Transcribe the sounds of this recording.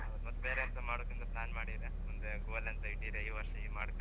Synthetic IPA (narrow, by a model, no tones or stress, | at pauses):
ɐd̪mɐt̪ːbeːɾeɐnt̪ɐmaːɽokːɐnt̪ɐplaːnmaːɽid̪emund̪eɡuːɡɐlɐnt̪ɐiʈːid̪eɐjd̪ʋɐɾʂɐiːmaːɽk̪ɐ